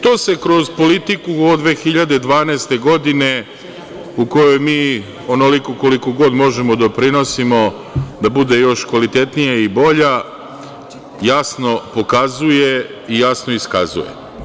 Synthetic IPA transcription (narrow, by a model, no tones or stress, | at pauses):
t̪o̞ːse̞kɾo̞zpo̞lit̪ikuod̪ʋe̞ːxiʎad̪ed̪ʋaːneːst̪e̞ɡo̞d̪ine̞ | uko̞jo̞jmiː | o̞nolikoko̞liko̞ɡo̞d̪mo̞ʒemo̞d̪o̞pɾino̞simo̞ | d̪abud̪e̞jo̞ʃkʋalit̪e̞t̪nijaibo̞ʎa | jasno̞po̞kazuje | ijasnoiska̰zṵje̞̰